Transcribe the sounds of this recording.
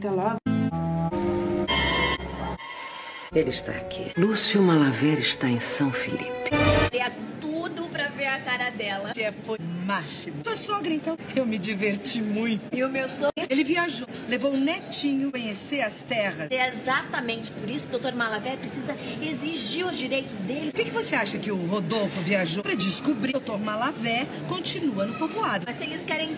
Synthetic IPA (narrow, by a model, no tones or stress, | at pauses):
t̪ɐ̃lɔɡ | elɪɪst̪a̰a̰kʰḭlusiʊmalavɛɾɪst̪aẽsɐ̃w̃fḭlḭpɪ̥ɾeɐt̪ud̪ʊpɾɐveɾɐkaɾɐd̪ɛlɐkɪɛfojmasimʊosɔɡɾɐẽnt̪ɐ̃w̃ewmɪd͡ʒiveɾt͡ʃimũj̃t̪ʊɪʊmewsoɡelɪviaʒowlevow̃nɛt͡ʃĩɲʊkõɲeseɾɐst̪ɛʁɐsɛezat̪ɐmẽnt͡ʃɪ̥poɾisʊkɪd̪owt̪oɾmalavɛpɾesizɐeziʒiɾʊzd͡ʒiɾejt̪ʊzd̪elɪskɛkɪvoseaʃɐkɪʊɦod̪owfʊviaʒowpɾɐd͡ʒiskubɾiwt̪oɾmalavɛ | kõt͡ʃinuɐnʊpovoad̪ʊmɐsselɪskɛɾẽj̃